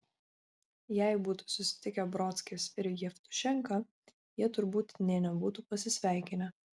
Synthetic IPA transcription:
jæˑɪbuːt̪u̥sʊsʲɪ̥t̪ʲɪkʲɛbɾɔt̪sʲkʲeːsɪɾjɛft̪ʊ̥ʃʲɛŋˑkɐ | jiɛt̪ʊɾbuːt̪nʲɛnʲɛbuːt̪uːpɐsʲɪsʲʋʲæˑɪkʲɪnʲɛ

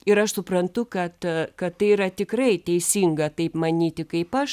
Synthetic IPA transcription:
ɪɾɐʃsʊpɾɐnt̪ʊkɐt̪kɐttɐɪiɾɐt̪ʲɪkrɐɪt̪ʲɛɪsʲiːŋɡɐt̪ɐɪpmɐnʲiːt̪ʲɪkɐɪpɐʃ

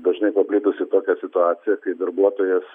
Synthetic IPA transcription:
d̪ɐʒnɐɪpɐpʲlʲɪːt̪ʊsʲɪt̪oːkʲɛsʲɪt̪ʊɑːt̪sʲɪjɛkɐɪd̪ɐɾbuɔt̪oːjɛs

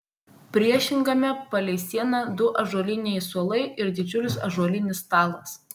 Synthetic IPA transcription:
pʲɾʲiɛʃʲɪŋɡɐmʲɛpɐlʲɛɪsʲiɛnɐd̪ʊʔɐʒuɔlʲɪnʲɛɪsuɔlˠɐɪɪɾd̪ʲɪd͡ʒʲʊlʲɪsɐ̰ʒuɔlʲɪnʲɪst̪ɑːlˠɐs

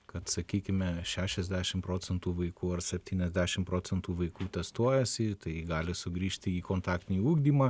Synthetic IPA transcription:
kɐt̪sɐkʲiːkʲɪmʲɛʃʲæːʃʲɛzʲd̪ʲæːʃʲɪmpɾoːt͡sʲɛnt̪uːʋɐɪkuːɐrsʲɛpʲt̪ʲiːnʲɛzʲd̪ʲæːʃʲɪmpɾoːt͡s̪ʲɛnt̪uːʋɐɪkuːt̪ʲɛst̪uɔjɛsʲɪt̪ɐɪɡɑːlʲɪsʊɡɾʲiːʃʲt̪ʲɪiːkoːnt̪ɑːkt̪ʲɪnʲiːuːɡd̪ʲiːmɑ

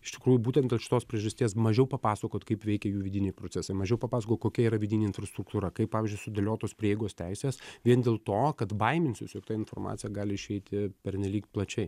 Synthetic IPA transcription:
ɪʃt̪ʲɪ̥kɾuːjʊbuːtʲɛnd̪ʲeːlˠʃʲɪ̥t̪oːspʲɾʲiɛʒɐsʲt̪ʲiɛsmɐʒʲɛʊpɐpɑːsɐkoːt̪kɐɪpʋʲɛɪkʲɛjuːʋʲɪd̪ʲɪnʲɛɪpɾoːt͡s̪ʲæsɐɪmɐʒʲɛʊpɐpɑːsɐkoːt̪koːkʲɛiːɾɐʋʲɪdʲɪnʲeːɪnfɾɐst̪ɾʊkt̪uːɾɐkɐɪp̚pɑːʋʲɪzʲd͡ʒʲʊɪsʊd̪ʲelʲoːt̪oːspʲɾʲiːjɛɪɡoːst̪ʲɛɪsʲeːsʋʲiɛnd̪ʲeːlˠt̪oːkɐt̪bɐɪmʲɪnʲsʲʊsʲjoːkt̪ɐːɪnfoːrmɑ̰ːt̪t͡s̪ʲɪjɛɡɑːlʲɪɪʃʲɛɪt̪ʲɪpʲɛɾʲnʲɛlʲiːkt̪plˠɐt͡ʃʲɛɪ

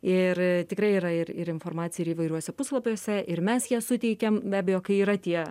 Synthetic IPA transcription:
ɪɾt̪ʲɪkɾɐɪiːɾɐɪɾɪɾɪnfoːrmɑːt̪sʲɪjɛɪɾiːʋɐɪɾʲuɔsʲɛpʊslˠɐpʲuːsʲɛʔɪɾmʲɛsjiɛsʊt̪ʲɛɪkʲɛmbʲæːbʲɛjoːkɐɪiːɾɐt̪ʲiɛ

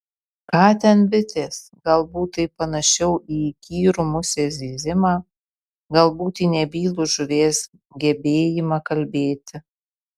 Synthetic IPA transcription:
kɑːt̪ʲɛnbʲɪt̪ʲeːs | ɡɐlˠbuːt̪ɐɪpɐnɐʃʲɛʊʔiːkʲiːɾuːmʊsʲeːzʲeːzʲɪmɑː | ɡɐlˠbuːt̪iːnʲɛbʲiːlˠuʒʊɾʲeːs | ɡʲɛbʲeːjɪmɑkɐlʲbʲeːt̪ʲɪ

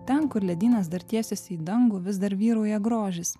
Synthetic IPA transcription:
t̪ʲɛnkʊɾlʲɛd̪ʲiːnɐsd̪ɐɾt̪ʲiɛsʲɛsʲiːd̪ɐŋɡʊʋʲɪsd̪ɐɾʋʲiːɾuːjɛɡɾoːʒʲɪss

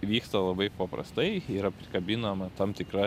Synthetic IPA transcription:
ʋʲiːkst̪ɐlˠɐbɐɪpɐpɾɐ̰st̪ɐɪɪɾɐpʲɾʲɪkɐbʲɪnɐmɐt̪ɐmt̪ʲɪkɾɐ

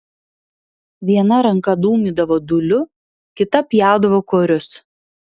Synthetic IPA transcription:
ʋʲiɛnɐɾɐŋkɐd̪uːmʲiːd̪ɐʋoːd̪ʊlʲʊ | kʲɪt̪ɐpʲjæˑʊd̪ɐʋoːkoːɾʲʊs

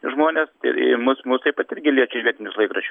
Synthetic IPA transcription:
ʒmoːnʲesɪ̰mʊsmuːst̪ɐɪpɐt̪ɪɾʲɡʲɪlʲiɛt͡ʃʲʊʋʲiɛt̪ʲɪnʲʊslˠɐɪkɾɐʃʲ

